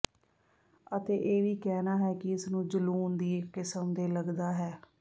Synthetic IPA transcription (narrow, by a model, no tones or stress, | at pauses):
ət̪eːʔeːʋiːkɛːnaːɦɛːkɪɪsnũːd͡ʒəluːnd̪iːkɪsəmd̪eːləɡd̪aːɦɛː